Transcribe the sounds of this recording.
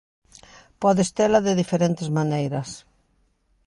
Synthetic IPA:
pɔðest̪elɐðeðifeɾent̪ezmanejɾɐs

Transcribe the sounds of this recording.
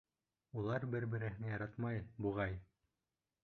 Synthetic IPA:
ulˠɑɾbɘɾbɘ̆ɾɘ̆ɦɘ̆nɘjɑɾɑt̪mɑjbuʁɑj

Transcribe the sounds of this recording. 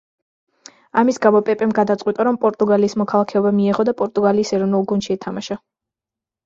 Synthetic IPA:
amisɡamɔpʼɛpʼɛmɡad̪at̪sʼwit̪ʼaɾɔmpʼɔɾt̪ʼuɡaliːsmɔkʰalˠakʰɛɔbamiɛʁɔd̪apʼɔɾt̪ʼuɡaliːsɛɾɔvnulˠɡund̪ʃiɛt̪ʰamaʃa

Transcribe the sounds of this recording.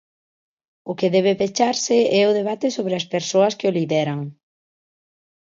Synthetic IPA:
ʊkeðɛβ̞epet͡ʃaɾsɪɛʊðeβ̞at̪esoβɾɪɐspeɾsoɐskɪoliðɛɾɐŋ

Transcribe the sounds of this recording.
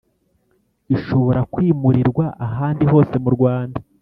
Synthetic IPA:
iʃo̞βo̞ɾakwiːmuɾiɾɡwaʔaɦaːndiɦo̞ːse̞muɾɡwaːnda

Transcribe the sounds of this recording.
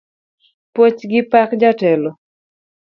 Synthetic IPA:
pot͡ʃɡɪpakd͡ʒatɛlɔ

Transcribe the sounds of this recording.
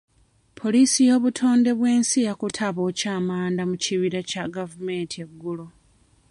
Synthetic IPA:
pʰo̞liːsijo̞ːβutʰo̞ːnde̞βwe̞ːnsijakutʰaβo̞ːcaːmaːndamuciβiɾacaɡavume̞ːntʰieɡːulo

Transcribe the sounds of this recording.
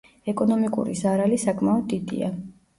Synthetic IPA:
ɛkʼɔnɔmikʼṵɾḭzaɾalisakʼmaɔd̪ːid̪ḭa̰

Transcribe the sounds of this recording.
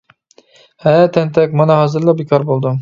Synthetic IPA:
hæt̪ʰɛnt̪ʰɛkʲmɑnɑɦɑzɨɾlˠɑbekʰɑɾbolˠd̪u

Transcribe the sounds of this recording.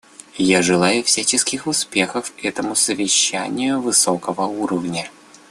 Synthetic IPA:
jaʐɨlˠajʊfsʲat͡ɕɪskʲɪxʊspʲe̞xəfɛt̪əmʊsəvʲɪɕːænʲɪjʊvɨsokəvəuɾəvnʲə

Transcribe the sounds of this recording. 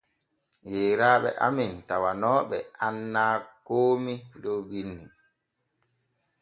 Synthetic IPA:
jeːɾaːɓɛ̰ʔa̰mintawanɔːɓɛanːaːkoːmidobinːi

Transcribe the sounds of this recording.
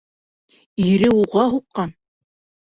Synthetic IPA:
iɾɘuʁɑɦuqːɑn

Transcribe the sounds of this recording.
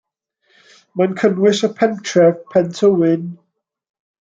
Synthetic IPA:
mə̃nkʰə̃nwɪʃəpʰɛ̃ntʰɹɛvpʰɛ̃ntʰəwɪn

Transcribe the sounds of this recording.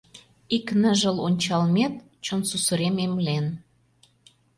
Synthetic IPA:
iknəʒəlonʲt͡ɕɑlmet̪̚ | t͡ɕonsusəɾememlen

